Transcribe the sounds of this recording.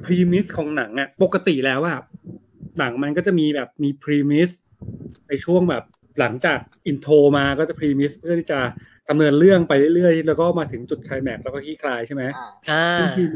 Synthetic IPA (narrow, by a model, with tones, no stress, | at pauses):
pʰɾiː˧mi˦˥skʰɔː˨˦ŋna˩˦ŋʔa˨˩po˨˩kːa˧t̪i˨˩lɛː˦˥waː˥˩ | na˩˦ŋma˧nkɔː˥˩t͡ɕa˨˩miː˧bɛː˨˩p̚miː˧pʰɾiː˧mi˦˥s | na˧jt͡ɕʰu˥˩əŋbɛː˨˩p̚ | la˩˦ŋt͡ɕaː˨˩k̚ʔi˧nt̪ʰoː˧maː˧kɔː˥˩t͡ɕa˨˩pʰɾiː˧mi˦˥spʰɯ˥˩t̪ʰiː˥˩t͡ɕa˨˩ | k̪a˧mnɤ˧ənlɯ˥˩əŋpa˧jɾɯ˥˩ɾɯ˥˩əjlɛː˦˥wkɔː˥˩maː˧t̪ʰɯ˩˦ŋt͡ɕu˨˩t̪̚kʰaː˧jmɛ˨˩k̚lɛː˧˦˥kːɔː˥˩kʰiː˦˥˩kʰlaː˧jt͡ɕʰa˥˩ma˦˥jaː˧ɯ˧ŋʰi˧